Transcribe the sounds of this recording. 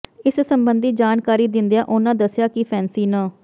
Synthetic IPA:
ɪssəmbənd̪iːd͡ʒaːnkaːɾiːd̪ɪnd̪ejãːʔʊnãːd̪əsɪjaːkɪpʰɛːnsiːnãː

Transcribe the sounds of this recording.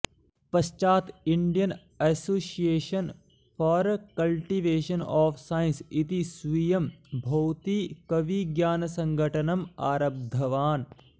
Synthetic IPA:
pɐʃt͡ʃaːt̪iɳɖijɐn | ɐsoːsijeːʃɐn | fɔːɾkɐlʈiʋeːʃɐnɔːfsaːjnsit̪isʋijɐmbʱɐwt̪ikɐʋiɡjaːnɐsɐ̃ŋɡʱɐʈɐnɐma̰ːɾɐb̚d̪ʱɐʋaːn

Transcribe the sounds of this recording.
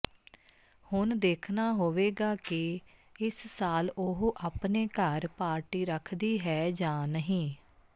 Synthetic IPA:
hʊnd̪eːkʰnaːɦoːʋeːɡaːkɪɪssaːlʊɦoʔaːpneːkəɾpaːɾʈiːɾəkʰd̪iːɦɛːd͡ʒãːnəɦĩː

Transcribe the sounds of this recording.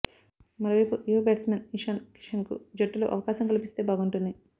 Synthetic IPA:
mɐɾoːʋɐjpuʔjobeːʈsmeniʂɐnki̥ʂɐnkṵd͡ʒɐʈːulo̰ːʔɐʋɐkaːʃɐmkɐlipist̪e̞ːbaːɡuɳʈund̪i

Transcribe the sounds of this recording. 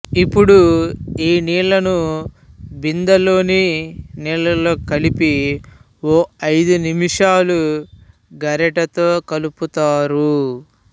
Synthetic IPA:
ipːuɽuiːniːɭɐnu | bind̪ɐlo̞ːniniːɭɐlo̞ːkɐlipi | oːɐjd̪unimiʂaːlu | ɡɐɾɐʈɐt̪o̞ːkɐluput̪aːɾu

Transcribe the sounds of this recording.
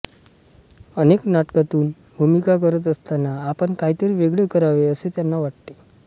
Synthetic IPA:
əneknaʈkat̪uːn | bʱumikakəɾət̪̬əst̪anaːpəɳkaɦit̪əɾiʋeɡɭekəɾaʋeəset̪janːaʋaʈ̚t̪e

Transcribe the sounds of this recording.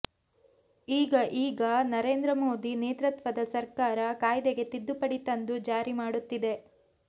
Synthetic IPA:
iːɡɐʔiːɡɐnɐɾe̞ːnd̪ɾɐmo̞ːd̪ineːt̪ɾɐt̪ʋɐd̪ɐsɐɾkaːɾɐkaːjd̪eɡe̞t̪id̪ːupɐɽit̪ɐnd̪ud͡ʒaːɾimaːɽut̪ːid̪e̞

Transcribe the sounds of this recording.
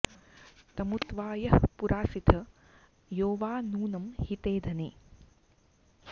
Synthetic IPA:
t̪ɐmut̪ʋaːjɐhpuɾʔaːsit̪ʰɐ | joːʋaːnuːnɐmhit̪eːd̪ʱɐnḛː

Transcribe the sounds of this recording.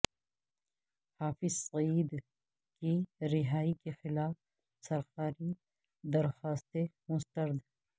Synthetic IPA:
haːfɪzsiːd̪ | kiɾɪɦaːikexɪlaːf | sɐɾxaːɾi | d̪ɐɾxaːst̪emʊst̪əɾd̪

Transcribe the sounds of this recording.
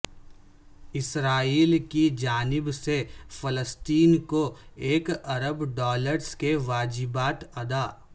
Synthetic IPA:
ɪsɾaːiːlkid͡ʒaːnɪbsefɐləst̪iːnkoeːkɐɾəbɖɔːləɾskeʋaːd͡ʒɪbaːt̪ɐd̪aː

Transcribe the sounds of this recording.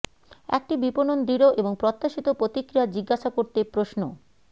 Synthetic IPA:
ɛ̰k̚ʈibiponond̪iɾoʔeboŋpɾot̪ːaʃit̪opɾot̪ikɾijad͡ʑiɡːaʃakoɾt̪epɾoʃno

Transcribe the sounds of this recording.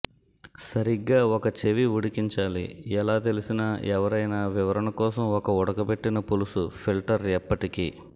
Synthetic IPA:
sɐɾiɡːaːɔkɐt͡ʃeʋiuɽikiɲt͡ʃaːlḭɛlaːt̪e̞lisinɐɛʋɐɾɐjnaʋiʋɐɾɐɳɐkɔːsɐmɔkɐɔɽɐkɐpe̞ʈːinɐpulusupʰilʈɐɾɛpːɐʈikiː

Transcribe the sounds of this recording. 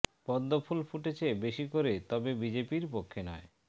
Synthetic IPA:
pɔd̪ːopʰulfʰuʈet͡ɕʰebeʃikoɾet̪ɔbebid͡ʑepiɾpokʰːenɔe

